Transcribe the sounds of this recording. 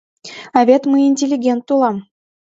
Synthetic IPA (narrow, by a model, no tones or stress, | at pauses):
ɑvʲet̪məjinʲtʲelʲːiɡʲent̪ːulˠɑm